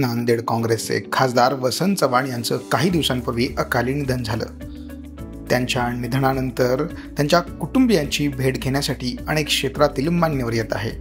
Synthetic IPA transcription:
nand̪eɽkɔ̃ŋɡɾesḛkʰasd̪aɾʋəsənt͡səʋaɳjant͡səːkaɦiːd̪iʋsampəɾʋiːʔəkaliːnid̪ʱənd͡zʱalə̰ː | t̪jaɲt͡ɕjanid̪ʱɳanənt̪əɾ | t̪jaɲt͡ɕjakuʈumbijaɲt͡ɕiːbʱeʈɡʱeɳ̃jasaʈʰiːəɽ̃ekʂet̪ɾat̪iːlmanjəʋəɾjet̪a̰ɦḛ

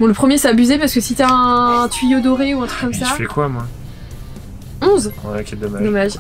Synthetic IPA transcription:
bɔ̃ləpχəmjesaːbyzepaʁsəkəsit̪yaɛ̃t̪ɥijod̪ɔʁeuɛ̃t̪χykɔmsafɛkwamwɛ̃ | ɔ̃zwɛkʲɛd̪ɔmad̪ɔmaʒ

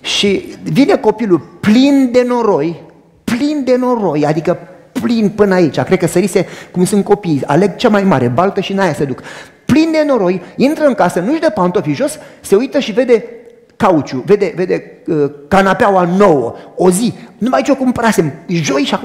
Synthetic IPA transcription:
ʃivine̞ko̞piluplind̪e̞no̞ɾo̞j | plind̪e̞no̞ɾo̞jad̪ikə | plinpɨnait͡ʃakɾed̪̚kəsəɾise̞kumsunt̪̚ko̞pija̰leɡ̚t͡ʃamajmaɾe̞balt̪əʃinajased̪uk | plind̪e̞no̞ɾo̞jint̪ɾəɨŋkasənuʒd̪əpant̪ofiʒo̞sse̞ujt̪əʃive̞d̪e̞ | kaut͡ʃʲuve̞d̪e̞ve̞d̪e̞kanapeawano̞wəo̞zinumait͡ʃokumpəɾasemʒo̞jʃa

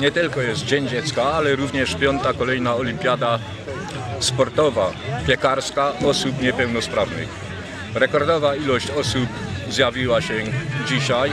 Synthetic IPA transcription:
ɲɛt̪ɘlkɔjɛst̪̚d͡ʑɛɲd͡ʑɛt̪skaalɛɾuvɲɛʂpʲjɔnt̪akɔlɛjnaɔlʲimpʲjad̪a | spɔɾt̪ɔvapʲjɛkaɾskaɔsupɲɛpɛwnɔspɾavnɪ̰x | ɾɛkɔɾd̪ɔvailɔɕt͡ɕɔsupzjavʲiwaɕɛd͡ʑiɕaj

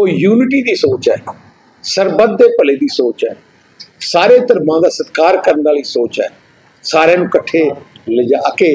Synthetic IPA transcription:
oːjuːnɪʈiːd̪iːsoːt͡ʃɛː | səɾbəd̪ːeːpəleːd̪iːsoːt͡ʃɛ̰ː | saːɾeːt̪əɾmãːd̪aːsət̪kaːɾkəɾnaːliːsoːt͡ʃɛ̰ː | saːɾẽːnũːkəʈʰːeːləd͡ʒaːəkeː

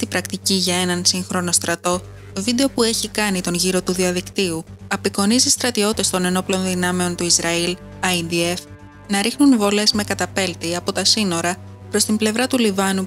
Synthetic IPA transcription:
st̪ibɾɐkt̪iciʝɐe̞nɐnsiŋxɾo̞no̞st̪ɾɐt̪o̞ | t̪o̞vid̪e̞o̞pue̞çikɐnit̪o̞nʝiɾo̞t̪uðiɐðikt̪iuɐpiko̞nizist̪ɾɐt̪io̞t̪e̞st̪o̞ne̞no̞plo̞nðinɐme̞o̞nt̪uizɾɐil | ɐjnd̪ie̞f | nɐɾixnunvo̞le̞zme̞kɐt̪ɐpe̞lt̪iɐpo̞t̪ɐsino̞ɾɐ | pɾo̞st̪imble̞vɾɐt̪ulivɐnu

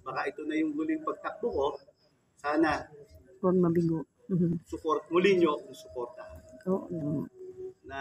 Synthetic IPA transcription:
baːkɐʔɪt̪onɐjʊŋɡʊlɪŋpɐɡ̚t̪ɐk̚d̪ʊko | saːna | ponmɐbɪɡo | m̩m̩sʊpoɾt̪mʊlɪɲjokʊŋsʊpoɾt̪ɐʔoːʔoʔonɐ

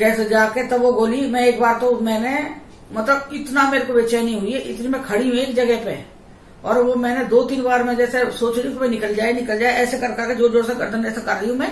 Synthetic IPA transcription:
kɛːsed͡ʒaːket̪ɐbʋoɡoːlimɛ̃eːkbaːɾt̪omɛ̃ːne | mɐt̪ləbɪt̪nameːɾekobeːt͡ʃanəĩɦʊiɛʔɪ̰t̪nimɛ̃kʰɐɽiɦũeːkd͡ʒɐɡɛɦpḛ | ɔːɾʋomɛ̃ːned̪oːt̪iːnbaːɾmẽd͡ʒɛːsesoːt͡ʃnĩkobinɪkəld͡ʒaːenɪkəld͡ʒaːeɛːsekɐɾkɐɾked͡ʒoːd͡ʒoːɽseɡɐ̰ɾd̪ʱənɛːsekɐɾːəɦũmɛ̃ː

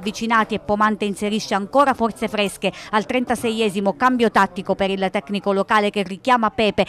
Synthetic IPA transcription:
vːit͡ʃinaːt̪iepːomant̪einseɾiʃːeaŋkoːɾafɔrt̪sefɾɛskealt̪ɾɛnt̪asɛjɛːzimokambjot̪at̪ːikopeɾilt̪ɛkːnikolokaːlek̟erːikjaːmapɛːpe

